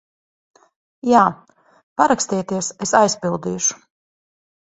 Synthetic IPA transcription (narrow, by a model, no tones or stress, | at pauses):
jaː | paɾakst̪iːt̪iɛsesajspilˠd̪ḭːʃu̥